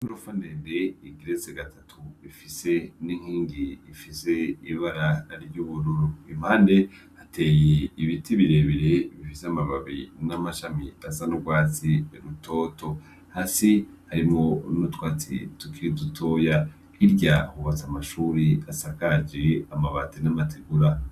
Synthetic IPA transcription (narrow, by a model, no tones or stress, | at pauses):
uɾofanendeiɡiɾet͡seɡatʰatʰuifise̞niŋ̥hiːŋɡiːfise̞iβaɾanaɾiɟuβuɾuɾuim̥haːndehatʰe̞ːjeiβitiβiɾe̞βiɾeβifiseamaβaβḭnamaʃamiasanuɡwaːt͡siɾutʰo̞ːto̞ | hasihaɾimŋo̞nutwaːt͡sḭtukiɾidutʰo̞ːja | hiɾɟahuβat͡samaʃuɾiasakad͡ʒeamaβatinamatʰeɡuɾa